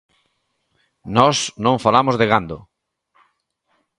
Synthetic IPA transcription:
nɔsnõɱfalamozðeɣand̪o

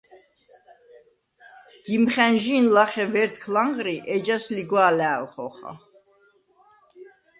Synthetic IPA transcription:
ɡ̥imχɛnʒinlaχɛvɛɾt̪̚ʰkʰlaŋʁɾiʔɛd͡ʒasliɡwaːlɛ̰ːlχɔχa̰

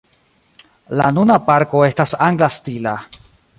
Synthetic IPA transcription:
la̰nunapaɾko̞e̞stasaŋɡlastila

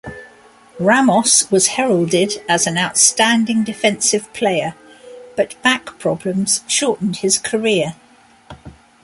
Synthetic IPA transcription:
ɹamɒswɒz̥hɛɹəlˠdɪdəzə̃naʊtstæ̃ndɪ̃ŋdɪfɛ̃nsɪv̥pʰl̥eɪəb̥ʌʔb̥akpʰɹ̥ɒblə̃mz̥ʃɔˑʔn̩d̥ɪz̥kʰəɹɪə

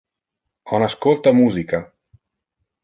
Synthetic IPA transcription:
ɔnaskolt̪amuːzika

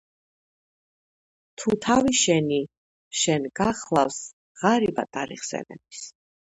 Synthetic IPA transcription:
t̪ʰut̪ʰaviʃɛni | ʃɛnɡaχlˠafs | ʁaɾibat̪ʼaɾḭχsɛ̰nɛ̰bis

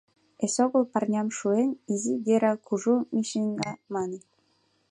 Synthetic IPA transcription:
esoɣŏlˠpɑrnʲɑmʃuenʲiziɡeɾɑkʰuʒumiʃeŋɡɑmɑne

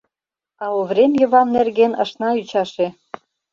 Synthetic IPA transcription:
ɑuβɾʲemjɤ̆βɑmnerɣenə̰̆ʃnɑyt͡ɕɑʃe

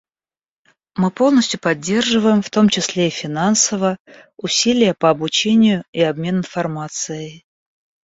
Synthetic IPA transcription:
mɨpo̞lˠnəsʲtʲjʊpɐdʲːe̞rʐɨvəjɪmft̪o̞mt͡ɕɪsʲlʲeifʲɪnansəvəə | ʊsʲilʲɪjəpəɐbʊt͡ɕenʲɪjʊiɐbmʲe̞nɨnfɐrmat̪sɨjɪ

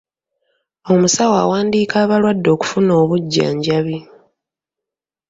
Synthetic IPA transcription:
o̞musawa̰ːwaːndiːkaːβalwadːo̞ːku̥funo̞ːβuɟːa̰ːɲɟaβi

